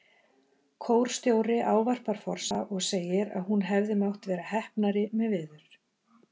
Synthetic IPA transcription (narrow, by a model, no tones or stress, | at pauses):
kʰoːwɾ̥st̪joːwɾɪʔaːwvar̥paɾ̥fɔr̥saʔɔɣseːjɪɾa̰ðɦunɦɛvðɪmawht̪vɛːɾahɛhpnaɾɪmɛðvɪðʏɾ̥